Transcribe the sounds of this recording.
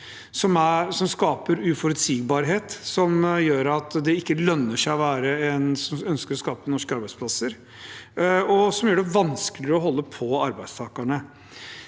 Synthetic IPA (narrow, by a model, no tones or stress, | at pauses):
sɔmæsɔmskɑːpəɾʉːfɔɾʉt̪siːɡbɑːɾɦeːt̪sɔmjøːɾɑt̪d̪ɛɪkːəlœnːəʂæɪɔʋæːɾəɛnsɔmœnskəɾɔskɑːpənɔʂkɑɾbæɪdspʰlɑsəɾ | ɔsɔmjøːɖɛʋɑnsklɪɾəɔɦɔlːəpʰɔɑɾbæɪd̪st̪ʰɑːkaɳə